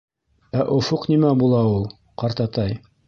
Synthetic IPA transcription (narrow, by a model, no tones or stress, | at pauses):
æʔŏfoqnimæbulˠɑulˠ | qɑɾt̪ɑt̪ɑj